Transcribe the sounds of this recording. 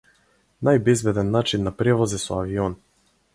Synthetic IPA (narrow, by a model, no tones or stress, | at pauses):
najbɛzbɛd̪ɛnːat͡ʃinːapɾɛvɔzɛsɔaviɔn